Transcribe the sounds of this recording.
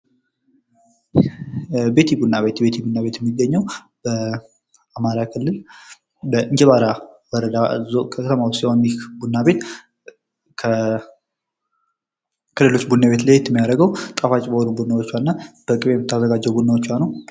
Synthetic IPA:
be̞t̪ʰibunːaβe̞t̪be̞t̪ʰibunːaβe̞t̪jɛmːiɡːəɲːəw | b̥ə | amaɾakʰɨlːɨl | bəʔɨɲd͡ʒɛβaɾawɔɾəd̪azokʰəkʰət̪ʰəmawɔsiho̞njɛhbunːabe̞t̪ | kʰə | kʰəle̞lo̞t͡ʃːbunːaβe̞t̪lajt̪ːmːijaɾəɡəwt̪ʼafat͡ʃʼbəhonubunːawot͡ʃːannːab̥əkʼɨβejɛmːɪt̪ːazːəɡad͡ʒːɛwbunːawot͡ʃːwanəw

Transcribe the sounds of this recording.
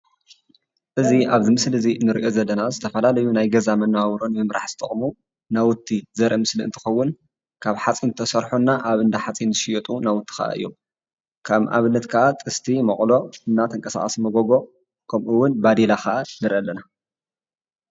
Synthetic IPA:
ʔɨziʔaβzimɨslɨzinːɨɾiʔo̞zɐlːɐnazɨt̪ʰɐfɐlalɐjunajɡɐzamɐnːawawɾonmɨmɾaħz̥ɨt̪ʼɐχʼmu | nawʊt̪ʰːizɐɾʔɐmɨsliɨ̰t̪ʰɨ̥xɐwːʊn | kʰaβħat͡sʼint̪ʰɐsɐɾħunːaʔaβɨnd̪aħat͡sʼinzɨʃɪjɛt̪ʼunawʊt̪ʰːi̥xa̰ʔa̰ʔɨ̰jːom | kʰaβʔa̰βɨnːɐt̪kʰaʔat̪ʼɨst̪ʰimɐχʼlo̞ɨnːat̪ʰɐŋkʼɐsa̰χʼɐsmɐɡoɡo̞ | kʰɐmʔuwːʊnbad̪elaxaʔanɨɾiʔɐlːɐna

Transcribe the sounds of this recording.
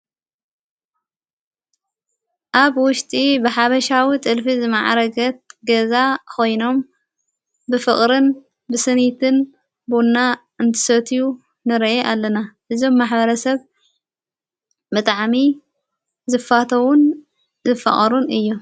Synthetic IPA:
ʔaβwʊʃt̪ʼibɨħaβɐʃawit̪ʼɨlfizɨmaʕa̰ɾɐɡɐt̪̚ɡɐzakʰo̞jno̞m | bɨfɨχʼɾɨn | bɨsɨnit̪ʰɨn | bonːa | ɨnt̪ʰɨ̥sɐt̪ʰiju | nɨɾʔeʔalːɐnaʔɨzo̞mːaħbɐɾɐsɐβ | bɨt̪ʼaʕmi | zɨfːat̪ʰɐwun | zɨfɐ̰χʼɐɾunɨjːu

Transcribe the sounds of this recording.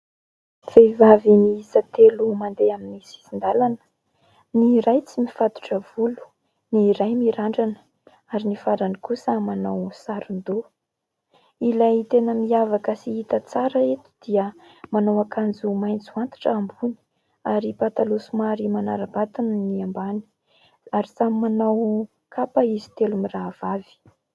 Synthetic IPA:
v̥evaviniizat̪elumand̪eaminisi̥sind̪alanə̥ | niɾajt͡simifat̪u̥ʈ͡ʂəv̥ulu̥ | niɾajmiɾaɳɖ͡ʐanə̥ | aɾinifaɾanikusəmanawsaɾund̪o | ilait̪enəmiavakəsiit̪ət͡saɾəet̪u̥d̪iə | manawakand͡zumajnt͡suant̪ḁʈ͡ʂəambuni̥ | aɾipat̪alusumaɾimanaɾabat̪anəniambani̥ | aɾizamimanaw | kapaizi̥t̪elumirav̥avi̥

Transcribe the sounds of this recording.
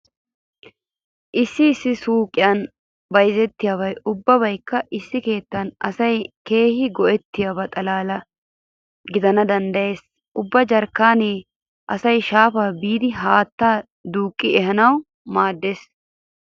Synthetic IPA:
ʔɪsːɪːsːɪsuːkʼːɪjɐn | bɐjzɛt̪ːɪjaːβɐjʔʊbːɐbɐjkːɐʔɪsːɪke̞ːt̪ːɐnʔɐsɐjke̞ːhɪɡɔʔɛt̪ːɪjabɐt̪ʼɐlaːlɐ | ɡɪd̪ɐnɐd̪ɐnd̪ɐje̞ːs | ʔʊbːɐd͡ʒɐɾkːaːneː | ʔɐsɐjʃaːfaːbiːd̪ɪɦaːt̪ːaː | d̪uːkʼːɪɛɦɐnɐw | maːd̪ːeːs

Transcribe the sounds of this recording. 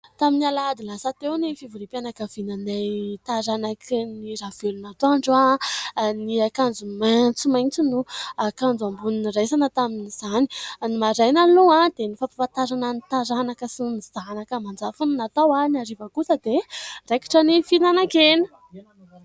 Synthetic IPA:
t̪aminalad̪ilasət̪ewnifivuɾipjanakəvinanet̪aɾanakʰiniɾavelunat̪oaɳɖ͡ʐa | niakand͡zumant͡simajnt͡sinuakand͡zuambuninresanət̪aminiz̥ani̥nimaɾajnaloãd̪̥enifapapant̪aɾananit̪aɾanakəsiniz̥anakəmand͡zafunnat̪awanaɾivəkusəd̪ereki̥ʈ͡ʂənifinanakenə̥

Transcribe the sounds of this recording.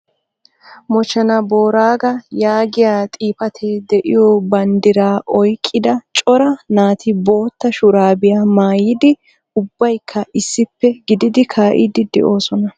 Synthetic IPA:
mɔt͡ʃːɐnɐbo̞ːɾaːɡɐjaːɡɪjaːt̪ʼiːpɐt̪ʰeːd̪ɛʔɪ̰jɔbɐnd̪ɪɾaːʔɔjkʼːɪd̪ɐt͡ʃʼɔɾɐnaːt̪ʰɪbo̞ːt̪ːɐʃʊɾaːbɪjaːmaːjɪd̪ɪ | ʊbːɐjkʰːɐʔɪsːɪpːɛɡɪd̪ɪd̪ɪkʰaːʔɪ̰d̪ɪd̪ɛ̰ʔo̞ːsɔnɐ

